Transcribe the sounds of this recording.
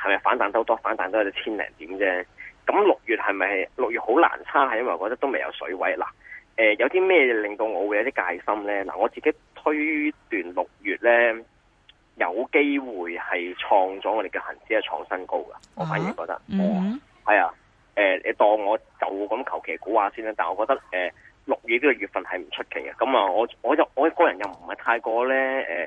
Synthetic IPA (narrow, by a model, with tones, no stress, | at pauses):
hɐ˨jmɐ˨jfa̰ː˨˥nt̪aː˨˥nt̪ɐ˥wt̪ɔː˥faː˨˥nt̪aː˨nt̪o˥ɐ˧˥t̪ɔ˥t͡sʰiː˥nlɛ̰ː˨˩ŋt̪iː˨˥mt͡sɛː˥kɐ˨˥mlʊ˨k̚jyː˨t̚hɐ˨jmɐ˨jlʊ˨k̚jyː˨t̚ho˨˥wla̰ː˨˩nt͡sʰaː˥hɐ˨jɐ˥wɐ˨jɔ˨˧kːɔː˧t̪ɐ˥kt̪o˥wme˨jɐ̰˨˧wsɵ̰˨˥wɐ˨˥jla̰ː˨˩ʔɛː˨jɐ˨˧wt̪iː˥mɛː˥jɛː˨˧lɪ˨ŋt̪o˧wŋɔː˨˧wu˨˧jɐ˨˧wt̪i˥kaː˧jsɐ˥mlɛː˥la̰ː˨˩ŋɔː˨˧t͡siː˨ke˨˥jt̪ʰɵ˥ɥt̪yː˨nlʊ˨k̚jyː˨˩t̚lɛː˥ | jɐ˨˧wke˥jwuː˨jhɐ˨jt͡ʃʰɔː˧ŋt͡sɔ˨˥ŋɔː˨˧ɾe˨jkiː˧whɐ̰˨˩nt͡si˨˥ɐ˨t͡ʃʰɔ̰ː˧˥ŋsɐ˥nko˥wɡɐ̰˨ŋɔː˨˧faː˨˥nji˨˩kɔː˧k̚t̪ɐ˥k̚ŋɔː˨˧ | hɐ˨jaː˧ | ɛː˨ɛ̰˨˧t̪ɔː˧ŋŋɔː˨˧t͡sɐ˨wuː˨˧kɐ˨˥mkʰɐ˨˩wkʰe˨˩jkuː˨˥waː˨˧siː˥nɛː˥t̪aː˨nŋɔː˨˧kɔː˧k̚t̪ɐ˥k̚ɛː˨ | lʊ˨k̚jy˨t̚liː˥kɔ˧ɥyː˨t̚fɐ˨nhɐ˨jm̩˨˩t͡ʃʰɵ˥t̚kʰe˨˩jkɐ˧kɐ˨˥maː˨˧ŋɔː˨˧ŋɔː˨˧jɐ˨wŋɔː˨˧kɔː˧jɐ˨˩njɐ˨wm̩˨˩hɐ˨jt̪ʰaː˧jkɔː˧lɛː˥ɛ̰ː˨˩